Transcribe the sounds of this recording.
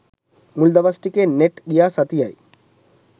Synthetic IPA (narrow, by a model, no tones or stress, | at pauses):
muld̪ɐʋɐsʈikʲːeneʈɡijaːsɐt̪ija̰ːjḭ